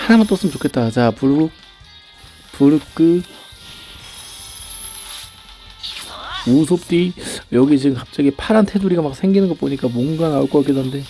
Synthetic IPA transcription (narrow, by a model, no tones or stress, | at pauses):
hanamant͈os͈ɯmɯt͡ɕokʰe̞t̚t͈at͡ɕapuɾɯk̚ | puɾɯk͈ɯ | usʰop̚t͈ijʌɡit͡ɕiɡɯmkap̚t͡ɕ͈aɡipʰaɾantʰe̞duɾiɡamak̚sʰe̞ŋɡinɯnɡʌp͈oɲik͈amwʌŋɡanauɭkokak̬͈ʰːetʰannde̞